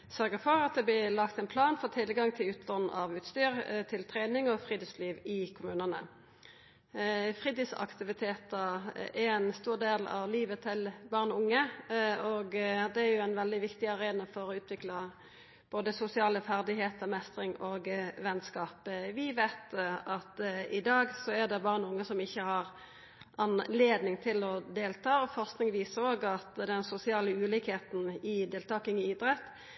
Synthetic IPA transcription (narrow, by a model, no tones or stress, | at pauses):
sœɾɡəfɔɾɑt̪̚d̪ɛblɪlɑkt̪ɛnpʰlɑːnfɔt̪ʰɪlɡɑŋt̪ʰɪlʉːt̪ʰlɔn̩ʔɑʋʉːt̪st̪yːɾt̪ʰɪlt̪ʰʁeːnɪŋɔfʁiːd̪ɪsliːʋɪkʰʊmʉːnənə̰ | fʁiːd̪ɪsɑ̰kt̪ɪʋɪt̪ʰeːt̪əæɾɛnst̪uːʁd̪eːlɑ̰ʋliːʋət̪ʰɪlbɑːʁnʊŋːəɔɡd̪ɛæɾjʊænʋɛld̪ɪʋɪkt̪ɪɑʁeːnəfɔɾɔʉːt̪ʰʋɪklɑ | b̥oːd̪əsʊsɪɑːləfæʁd̪ɪɦeːt̪ʰəmɛst̪ʁɪŋɔɡʋɛnskɑːpʋɪʋeɪt̪ɑt̪ɪd̪ɑːɡsɔæʁd̪ɛbɑʁnʊŋːəsɔmɪçːəhɑʁ | ʔɑnleːd̪nɪŋt̪ʰɪlɔd̪eːlt̪ʰɑːɔfɔʁsknɪŋʋiːsoːɡɑt̪d̪ɛnsʊsɪɑːləʉːliːkheːt̪n̩ɪd̪eːlt̪ʰɑːkɪŋɪid̪ɾɛt̪ː